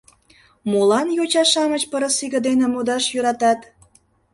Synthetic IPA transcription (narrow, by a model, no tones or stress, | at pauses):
molɑnjot͡ɕɑʃɑmət͡ɕpəɾəsiɣə̆d̪enemud̪ɑʃjøɾɑt̪ɑt̪